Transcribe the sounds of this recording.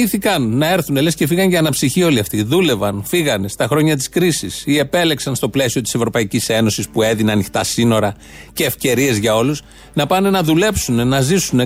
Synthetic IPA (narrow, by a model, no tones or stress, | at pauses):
iθikɐnːɐe̞ɾθune̞le̞sce̞fiɣɐɲɟɐːnɐpsiçio̞liɐft̪iðule̞vɐnfiɣɐne̞st̪ɐxɾo̞ɲɐt̪̬i̥skɾisisie̞pe̞le̞ksɐnst̪o̞ple̞sio̞t̪i̥se̞vɾo̞pɐicise̞no̞sispue̞ðineɐnixt̪ɐsino̞ɾɐ | ce̞ːfce̞ɾie̞zʝɐo̞lus | nɐpɐnenɐðule̞psune̞nɐzisune̞